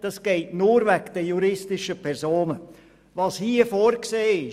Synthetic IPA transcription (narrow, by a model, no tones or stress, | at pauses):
d̥ɑsɡ̥ɛɪtnuːɾvækd̥əjuɾɪstɪʃəpʰɛɾsoːnə | vɑshiːəfoːɾkseːɪ